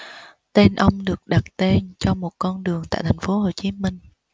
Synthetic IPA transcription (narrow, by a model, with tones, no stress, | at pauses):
t̪e˧nʔə˧wŋ͡mɗɨ˨˩ək̚ɗa˨˩t̚t̪e˧nt͡ɕɔ˧mo˨˩t̚kɔ˧nɗɨ˨˩əŋt̪a̰ː˧˨jt̪ʰa˨˩ŋ̟fo˨˦ho˨˩t͡ɕi˨˦mï˧ŋ̟